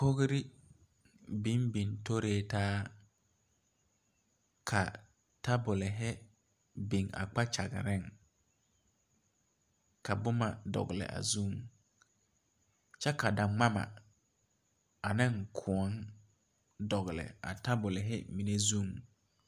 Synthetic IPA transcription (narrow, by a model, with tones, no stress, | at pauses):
ko˦ɣɾɪ˦ | bi˦nbi˨nto˦ɾeː˦taː˦ | kʰa˨ | ta˦bʊ˨lɪ˨ɦɪ˦ | bi˨ŋa̰˨k͡pa˦t͡ʃa˨ɣɪ̰˨ɾɪ˦˨ŋ | ka˨bʊ˦ma˨dɔ̰˨ɣlɪ̰˨ʔa̰˨zu˦˨ŋ | t͡ʃɛ˦ka˨da˨ŋ͡ma˦ma̰˨ | a˨nɪ˦ŋkʰʊ˨ɔ˨˦n | dɔ˨ɣlɪ̰˨a̰˨ta˦bʊ˨lɪ˨ɦɪ˦mi˨ne˦zu˦˨ŋ